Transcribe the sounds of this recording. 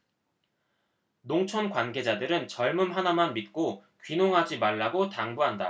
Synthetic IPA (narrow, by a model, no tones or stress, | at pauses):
noŋt͡ɕʰʌnkwanɡe̞d͡ʑadɯɾɯnt͡ɕʌɭmɯmɦanamanmit̚k͈okɥinoŋɦad͡ʑimaɭːaɡotaŋbuɦanda̰